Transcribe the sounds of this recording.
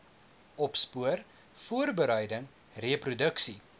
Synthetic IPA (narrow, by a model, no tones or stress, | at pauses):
ɔpspuər | fuərbəɾəjdəŋ | reəprudəksi